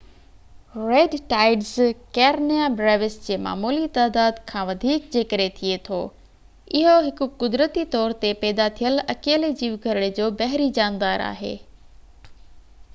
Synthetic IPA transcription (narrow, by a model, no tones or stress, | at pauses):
ɾeːɖʈaːɪɖzkɛːɾnijabɾɛːʋɪsd͡ʑeːma̰ːmuːlit̪aːd̪aːd̪kʰãːʋɐd̪ʱiːkd͡ʑeːkəɾet̪ʰiet̪ʰo̰ː | ɪɦoɦɪkʊ̆kʊd̪ɾət̪it̪ɔːɾt̪epɛːd̪at̪ʰijəlɐkeːled͡ʑiːʋɡʱɐɾɪɽed͡ʑoːbɐɦɾid͡ʑaːnd̪aːɾa̰ːɦḛː